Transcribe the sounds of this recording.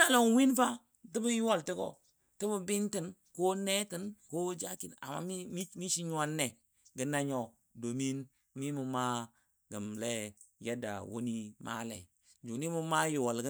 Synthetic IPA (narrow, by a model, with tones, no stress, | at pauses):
a˨lo˨ŋwi˦nfa˦ | ti˦bu˦ji˦wo˦˨lti˦ɡo̰˨ | ti˦bə˦bi˦nti˦˨n | ko˦ne˦ti˨nko˦d͡ʒa˦ki˨na̰˨ma̰˦i˦mi˦mi˦ʃi˦ɲ˦a˦nːe˨ | ɡə˦na˦ɲo˦˨ | do˨mi˦n | mi˦mu˨ma˦ | ɡə˨mle˦je˦da̰˨wo̰˦ni˦ma̰˦lḛ˨ | d͡ʒu˨ni˦mu˦ma˦ji˨wo˨lɡ